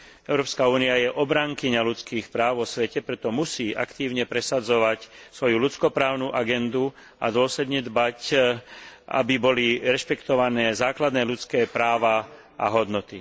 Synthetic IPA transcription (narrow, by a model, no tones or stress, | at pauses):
ɛʊɾɔːpskauːniajɛʔɔbɾaŋkiɲalut͡skiːxpɾaːʊʋɔsʋɛcɛpɾɛt̪ɔmusiːʔa̰kt̪iːʊɲɛpɾɛsad͡zɔʋacsʋɔjulut͡skɔpɾaːʊnuʔaɡɛnd̪u | a̰d̪ʊɔslɛd̪ɲɛd̪bac | ʔa̰bibɔliɾɛʃpɛkt̪ɔʋanɛːzaːklad̪nɛːlut͡skɛːpɾaːʋa | ʔa̰ɦɔd̪nɔt̪i